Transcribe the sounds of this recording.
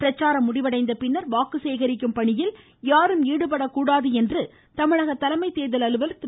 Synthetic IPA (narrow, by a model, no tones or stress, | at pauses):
ɪɾɐt͡ʃːaːɾɐmːʊɽɪʋɐɽɐɪnd̪ɐpɪnːɐɾʋaːkɯseːɣɐɾɪkːɯmpɐɳɪjɪl | jaːɾɯmiːɽɯp̬ɐɽɐkːuːɽaːðɯɛndrɯ | t̪ɐmɪɻɐɣɐt̪ːɐlɐmɐɪt̪ːeːðɐlɐlɯʋɐlt̪